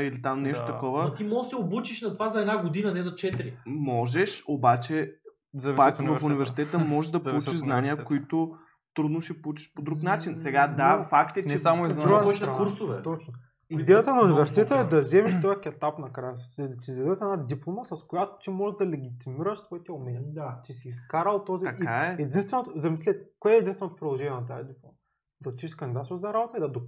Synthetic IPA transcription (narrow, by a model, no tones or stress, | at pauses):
ilit̪amnɛʃt̪ot̪ɐkɔvət̪imɔɡsɛobut͡ʃiʃnɐt̪ovazɐɛd̪naɡod̪inɐnɛzɐt͡ʃɛt̪ɾimɔʒɛʃobat͡ʃɛ | ɐpakvɐfunivɛɾsi̥t̪ɛt̪əmɔʒɛʒd̪ɐpolˠut͡ʃiʃznaniəkoit̪ʊ | t̪ɾud̪noʃɛpolˠut͡ʃi̥ʃpod̪ɾuknat͡ʃinsɛɡad̪afakt̪ɛnt͡ʃɛsamod̪ɾuɡ̪nɐɾk̪uɾsovɛt̪ɔt͡ʃno | id̪ɛjət̪ənɐunivɛɾsi̥t̪ɛt̪əɛd̪ɐzɛmɛʃt̪ojəkʲɛt̪apnɐkɾajət̪izɐd̪ɛt̪ɛnad̪iplˠoməsɐskojat̪o̥t͡ʃ̪imɔʒɛʒd̪ɐlɛɡʲit̪imiɾəʃsvɔit̪ɛomɛnʲt͡ʃisiːskaɾɐlˠt̪oziɐkaɛɛd̪inst̪vɛnot̪ʊzɐmislʲɛt̪koɛːd̪inst̪vɛnot̪ʊpɾid̪lˠoʒɛnʲɛnɐt̪ajɐd̪iplˠom | d̪ɐtt͡ʃiʃʃkənd̪id̪at̪zɐɾabot̪əid̪ɐd̪o